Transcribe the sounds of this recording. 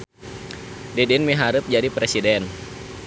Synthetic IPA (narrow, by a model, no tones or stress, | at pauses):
dedɛnmiɦaɾʊp̚d͡ʒadipɾesidɛn